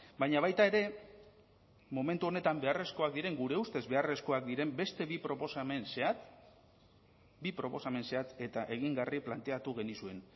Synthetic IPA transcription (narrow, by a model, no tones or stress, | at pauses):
bajɲaβ̞ajt̪ae̞ɾe̞ | mo̞me̞nt̪uo̞ne̞t̪ambe̞are̞sko̞ak̚d̪iɾe̞ŋɡuɾe̞ust̪e̞zβe̞are̞sko̞akd̪iɾe̞mbe̞st̪e̞βipɾo̞po̞samenseat̪ | bipɾo̞po̞same̞nse̞at̪e̞t̪aʔe̞ɣ̞iŋɡariplant̪e̞at̪uɣ̞e̞nisue̞n